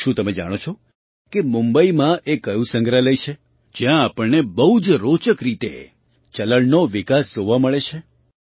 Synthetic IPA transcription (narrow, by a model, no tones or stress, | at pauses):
ʃũt̪əmed͡ʒa̰ɽ̃ot͡ʃʰo | kemumbəimãʔekəjũsə̃ŋɡɾaləjt͡ʃʰe | d͡ʒjãːpəɭnebəɦud͡ʒɾot͡ʃəkɾit̪ḛ | t͡ʃələɭnoʋikasd͡ʒoʋaməɭet͡ʃʰe